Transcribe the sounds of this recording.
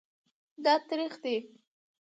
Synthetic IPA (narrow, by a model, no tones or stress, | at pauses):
d̪ɑt̪ɾixd̪e